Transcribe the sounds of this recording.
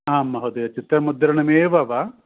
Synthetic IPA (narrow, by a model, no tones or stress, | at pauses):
aːmːɐɦod̪eɐt͡ʃit̪ɾɐmud̪ɐɾɐnɐmeːʋaʋa